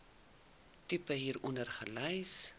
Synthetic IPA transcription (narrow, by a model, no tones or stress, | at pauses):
typəɦiːɾɔnərχəlœjs